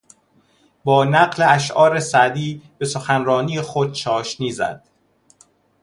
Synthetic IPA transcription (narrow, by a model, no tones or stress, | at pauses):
bɒːnæɢle̞æʃ̬ʔɒːɾesæd̪iːb̥e̞soxænɾɒːniːjexod̪̥̚t͡ʃʰɒːʃniːzæ̰d̪̥